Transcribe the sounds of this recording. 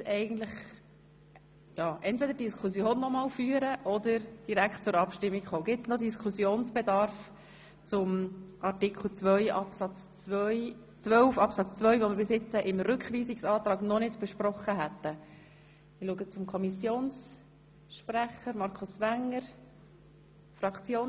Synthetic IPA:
sɛɪɡən̩t̪ləχ | jɑːʔɛntvɛd̪əɾdiskʰusjoːnːɔmɑːlfyːəɾəʔɔd̪əɾd̥iɾækt̚t͡sʊɾɑpʃtɪmːikχoːɡɪtsnod̪iskʰχusjoːnsb̥ɛd̪ɑɾf | t͡sʊmʔɑrtikl̩t͡sʋœʏʔɑpsɑt͡st͡sœʏ | t͡sʋœlfɑpsɑt͡st͡sʋœʏvomɪɾbɪsɪt͡səʔɪmɾʏkχʋiːsiksɑːt̪ɾɑːɡnɔnɪdb̥ɛʃpɾɔχːəɦæt̪ːə | mɪluəɡət͡sʊmkʰɔmisjoːns | ʃpræχəɾmɑɾkʰʊsʋæŋəɾ | fɾɑkt͡sjoːn

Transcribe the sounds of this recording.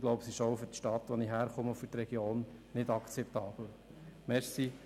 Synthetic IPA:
ɡlɔʊbəsiɪʃoʊfʏɾtʃtɑt̪ʋɔniɦæːɾχʊməfʏɾt̪ɾɛɡ̥joːn | nɪtɑkt͡sɛpt̪ɑːb̥l̩ | mɛɾsi

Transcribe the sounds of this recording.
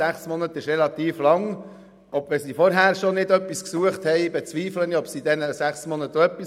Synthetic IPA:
æχsmɔnət̪ɪʃrɛlɑt̪iːflɑŋ | ʔɔbʋɛsifɔɾɦæːɾʃɔnɪdœpːisksuəχthɛɪbɛt͡sʋiːfləniɔpsid̪ɛnəsæχsmɔnət̪əœpːis

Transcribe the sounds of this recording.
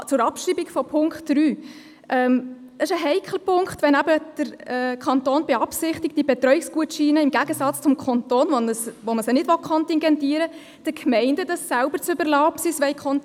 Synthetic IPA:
t͡sʊɾɑpʃriːbikfɔpʰʊŋkχtɾyː | ʔɛm | d̥ɑɪʃəɦɛɪkʰləpʰʊŋkχtvʋɛnæbəd̥əɾːkʰɑntoːnbɛɑpsɪχtɪk̚td̥ibɛt̪ɾœɥɪksɡ̥uətʃiːnəɪmɡæɡəsɑt͡st͡sʊmkʰɑntoːnvonəsʋoməsənɪdʋɔkʰχɔntɪŋɡɛntiːɾə | d̥əkʰmɛɪndəd̥ɑsːælbəɾt͡sʏbəɾlɑːpsisvʋɛɪkʰɔn

